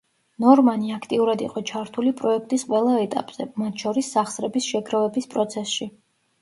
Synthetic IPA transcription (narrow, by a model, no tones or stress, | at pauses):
nɔɾmaniakʰt̪ʼiuɾad̪iqʼɔt͡ʃʰaɾt̪ʰulipʼɾɔɛkʰt̪ʼisqʼwɛlˠaɛt̪ʼa̰pʼz̥ɛmat̪ʰʃɔɾisːaχsɾɛbisʃɛɡɾavɛbispʼɾɔt̪sʰɛsʃi